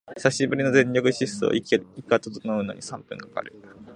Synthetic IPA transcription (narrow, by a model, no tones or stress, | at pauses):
saɕibɯɾʲino̞zẽ̞ɲɾʲokɯ̟ɕisɨo̰iikːat̪oonoɯ̟no̞̰ɲ̟isãmpɯ̟̃ŋkaka̰ɾet̪ḁ